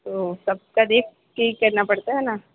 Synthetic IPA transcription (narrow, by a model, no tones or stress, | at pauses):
t̪osɐb̚kad̪eːk̚ʰ | keɦikɐɾnapɐɽt̪aɦɛnaː